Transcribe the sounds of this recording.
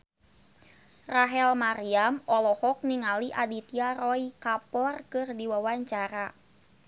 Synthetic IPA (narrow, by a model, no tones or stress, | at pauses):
raɦɛlmaɾiamɔlɔhɔk̚niŋaliʔadit̪iaɾɔikapɔrkɨrdiwawaɲt͡ʃaɾa